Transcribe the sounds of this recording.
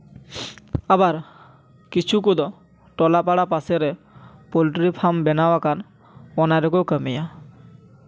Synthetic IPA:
abaɾ | kit͡ʃʰuk̬ud̪ɔ | ʈɔlapaɽapaseɾe | poliʈɾipʰaɾmbɛnawakan | ɔnaɾek̬owkəmija

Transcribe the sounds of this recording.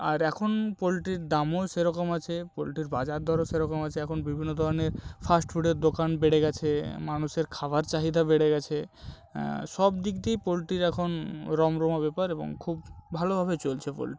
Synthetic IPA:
a̰ɾɛkʰonpolʈiɾd̪amoʃeɾɔkomat͡ɕʰepolʈiɾbad͡ʑaɾd̪ʱɔɾoʃeɾɔkomat͡ɕʰeɛkʰonbibʱinːod̪ʱɔɾneɾfʰasʈfuɖeɾd̪okanbeɽeɡɛt͡ɕʰemanuʃeɾkʰabaɾt͡ɕaɦid̪ʱabeɽeɡɛt͡ɕʰe | ʃɔb̚d̪ikd̪ipolʈiɾɛkʰonɾɔmɾomabɛpaɾebo̰ŋkʰubbʱalobʱaβet͡ɕolt͡ɕʰepo̰lʈi

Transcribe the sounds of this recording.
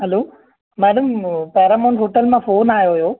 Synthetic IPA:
ɦɐloː | maːɽɐmpɛːɾaːmonɦoːʈɐlmapʰoːnaːjoːjoː

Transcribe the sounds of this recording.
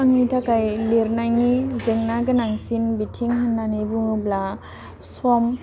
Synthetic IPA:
aŋnitʰakajleɾnajnizeŋnaɡɯnaŋsinbitʰiŋɦanːanibuŋɯbla | sɔm

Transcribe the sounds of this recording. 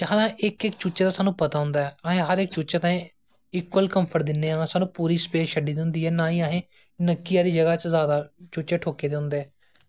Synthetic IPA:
d͡ʒãːnãːʔɪkɪkt͡ʃʊt͡ʃeːt̪ãːsaːnũːpət̪aːɦʊ̃nd̪aːɛːɦẽːɦəɾɪkt͡ʃʊt͡ʃeːt̪ãːĩː | ɪkwəlkəmpʰəɾd̪ɪnːeːãːsaːnũːpuːɾiːspeːsʃəɖiːd̪nd̪iːɛːnãːiːaɦẽː | nəkːijaːd̪iːd͡ʒəɡaːt͡ʃzjaːd̪aːt͡ʃʊt͡ʃeːʈʰoːkeːd̪eɦʊ̃nd̪eːɛː

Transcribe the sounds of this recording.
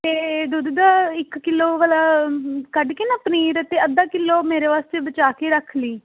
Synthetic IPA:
t̪eːd̪ud̪d̪aːɪkːɪlːoːʋəlaːkəɖkɪnaːpəniːɾət̪eːəd̪ãːkɪlːoːmeːɾeːʋaːst̪eːbət͡ʃaːkeːɾəkʰliː

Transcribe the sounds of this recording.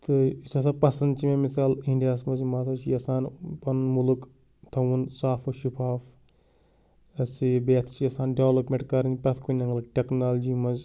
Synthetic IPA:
t̪ɨisɐsapɐsɐnd̪t͡ʃimẽmisaːliɳɖijaːsmɐzmaːt̪ʰat͡ʃijɐsaːnpɐnmuluk | t̪ʰɐwunsaːfɐʃupʰaːf | ɐsibeːt̪ʰt͡ʃiɐsaːnɖeʋlɐpmeɳʈkɐɾɐŋʲpɐt̪ʰkunɐŋɡɐlʈeknaːld͡ʒiːmɐz

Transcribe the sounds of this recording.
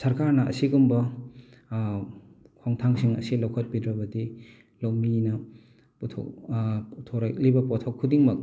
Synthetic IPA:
sɐɾkaɾnɐʔɐ̰siɡumbɐ | kʰoŋtʰaŋsiŋɐ̰silɐwkʰɐt̚bidɾɐbɐdi | lɐwminɐ | putʰo̰k | tʰoɾak̚libɐpɔtʰowkʰːudiŋmɐk̚

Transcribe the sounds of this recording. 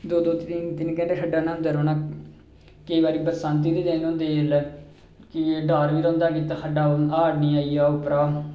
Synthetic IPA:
d̪oːd̪oːt̪int̪ɪnkɛ̃ːɖeːkʰəɖaːnãːnd̪aːɾoːnaː | kəiːbaːɾiːbəɾsãːnt̪̬iːd̪iːd̪ẽːnʊ̃nd̪eːl | kɪɖaːɾʋiːɾõːnd̪aːkiːt̪aːkʰəɖaːaːɽniːaːijaːʊpɾaː

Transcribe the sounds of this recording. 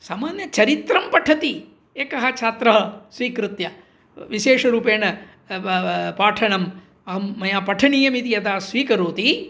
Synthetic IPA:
saːmaːnjɐt͡ʃɐɾit̪ɾɐmpɐʈʰɐt̪i | eːkɐɦɐt͡ʃʰaːt̪ɾɐɦɐ̆sʋiːkɾut̪jɐ | ʋiʃeːʂɐɾuːpeːnɐ | paːʈʰɐɳɐm | ɐɦɐmːɐjaːpɐʈʰɐɳiːjɐmit̪ijɐt̪aːsʋiːkɐɾuːt̪i

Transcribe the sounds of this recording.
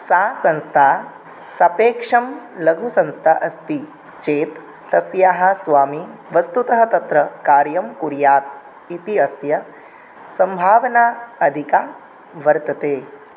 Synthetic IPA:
saːsɐ̃nst̪ʰaː | sɐpeːkʂɐmlɐɡʱusɐ̃nst̪ʰaʔɐst̪i | t͡ʃeːt̪ː | ɐsjaːɦɐ̆sʋaːmiʋɐst̪ut̪ɐɦɐt̪ɐt̪ɾɐkaːɾjɐmkuɾjaːt̪̚ | it̪iɐsjɐ | sɐmbʱaːʋɐnaːɐd̪ʱikaː | ʋɐɾt̪ɐt̪eː

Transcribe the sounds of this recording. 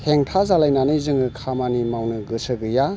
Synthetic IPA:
heŋtʰazalajnanɯjzɯŋɯkʰamanimawnɯɡɯsɯɡɯja

